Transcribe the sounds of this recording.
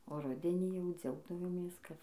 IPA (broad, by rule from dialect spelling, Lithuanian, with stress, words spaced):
oː ˈrʊdʲɛnʲiː jɛʊ ˈd͡zʲɛʊɡdɐʋoːmʲeːs kɐt